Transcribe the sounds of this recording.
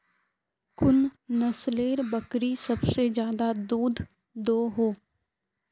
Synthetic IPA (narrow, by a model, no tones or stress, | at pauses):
kʊnnɐsleːɾbəkɾisɐbsed͡ʒjaːd̪ad̪uːd̪ʱ | d̪oːɦoː